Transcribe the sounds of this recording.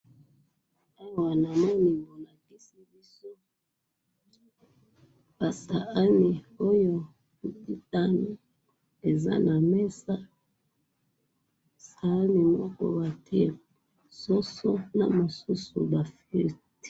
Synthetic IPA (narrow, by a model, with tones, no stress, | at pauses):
a˦wa˨na˨mɔ˦ni˨mo˨la˨ki˦si˦bi˦so˦ | ba˨sa˨a˦ni˨o˦jo˦ | u˨ti˦ta˦no˨ | e˨za̰˦na˨mɛ˦sa˦ | sa˨a˦ni˨mɔ˦kɔ̰˦ba˨tʰɛ˦ | sɔ˦so˦na̰˨mo˨su˦su˨ba˨fi˨ti̥˦